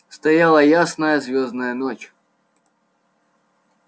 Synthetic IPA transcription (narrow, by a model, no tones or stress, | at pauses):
st̪ɐjalˠɐjasnɐjɐzʲvʲoznɐjɐnɔt͡ɕ